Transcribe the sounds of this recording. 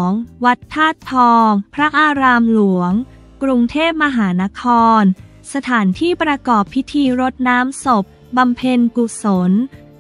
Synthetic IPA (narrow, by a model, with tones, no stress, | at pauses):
ŋwa˦˥t̪ʰːaː˥˩t̪ʰːɔː˧ŋpʰɾa˦˥ʔaː˧ɾaː˧mlu˩˦əŋ | kɾu˧ŋt̪ʰeː˥˩p̚ma˧ɦaː˩˦na˦˥kʰɔː˧n | sa˧t̪ʰaː˩˦nt̪ʰiː˥˩pɾa˧kɔː˨˩pʰːi˦˥t̪ʰiː˧ɾo˦˥t̪̚naː˦˥mso˨˩p̚ | ba˧mpʰe˧nku˨˩so˩˦n